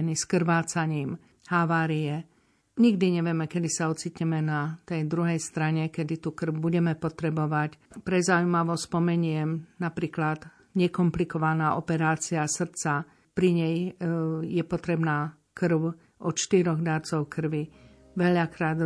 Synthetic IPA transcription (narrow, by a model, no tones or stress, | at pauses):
niskr̩ʋaːt͡saɲiːm | haʋaːɾijɛ | ɲiɡd̪iɲɛʋɪɛmɛkɛd̪isaɔt͡siːtɲɛmɛnat̪ɛjd̪ɾuɦɛjst̪ɾaɲɛkɛd̪it̪ukr̩wbuɟɛmɛpɔt̪ɾɛbɔʋacpɾɛzaujmaʋɔspɔmɛɲɪɛmnapɾiːklad̪ | ɲɛkɔmplikɔʋanaːʔɔpɛɾaːt͡siasr̩t͡sa | pɾiɲɛj | jɛpɔt̪ɾɛbnaː | kr̩ʊ | ʔɔt͡ʃt̪iɾɔɣd̪aɾt͡sɔʊkr̩ʋi | ʋɛʎakɾaːd̪